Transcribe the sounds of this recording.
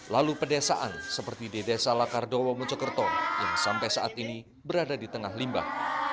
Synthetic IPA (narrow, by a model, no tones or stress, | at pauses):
lalupədasaʔa̰nsəpərt̪idedasalakardowɔmut͡ʃəkərt̪ɔjaŋsampajsaʔat̪ini | bəɾadadit̪əŋaɦlimba̰h